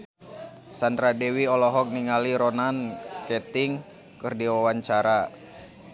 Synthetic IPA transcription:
sand̪ɾadɛwiɔlɔɦɔk̚niŋaliɾɔnankɛt̪iŋ | kɨrdiwawaɲt͡ʃaɾa

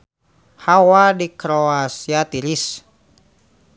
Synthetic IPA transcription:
hawadikɾoasiat̪iɾis

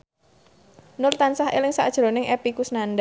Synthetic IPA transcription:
nʊlt̪ansaɦʔḛlɪŋsa̰d̥ʒ̥ɾo̤nɪŋʔɛpikusnanda

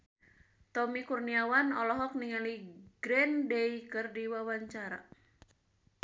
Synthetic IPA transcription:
t̪ɔmikurniawanɔlɔɦɔk̚niŋaliɡɾɛndejkɨrdiwawaɲt͡ʃaɾa̰

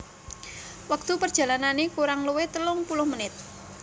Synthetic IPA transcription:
wak̚t̪upərdʒ̥ä̤lananekuɾaŋluwet̪əlʊŋpulʊhmənɪt̪̚

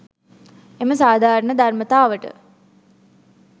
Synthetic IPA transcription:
eməsaːd̪ʱaːɾəɳəd̪ʱarmət̪aːʋəʈə̰

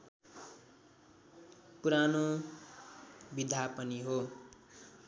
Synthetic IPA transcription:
puɾano | bid̪ʱapʌniɦo

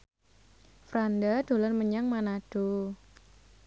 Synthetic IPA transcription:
fɾandad̪̥o̤lənməɲaŋmanad̥o

